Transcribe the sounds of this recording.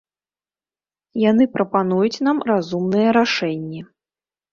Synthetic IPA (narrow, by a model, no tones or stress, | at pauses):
janɨpɾɐpanujut͡sʲnamrazumnɨjɐɾaʂɛnʲːɛ